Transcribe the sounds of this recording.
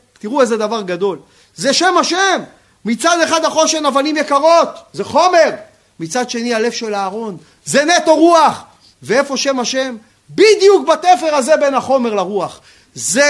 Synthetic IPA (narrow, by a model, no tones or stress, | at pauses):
t̪iʁuezed̪avaʁɡad̪o̞l | zeʃe̞maʃemː | it͡sad̪e̞χad̪aχo̞ʃenavanimjekaʁo̞t̪zeχo̞me̞ʁ | mit͡sad̪ʃe̞niale̞fʃe̞laːʁo̞n | ze̞ne̞t̪o̞ʁuaχ | veefo̞ʃe̞maʃe̞m | bid̪juk̚batefe̞ʁaze̞be̞naχo̞me̞ʁlaʁuaχ | ze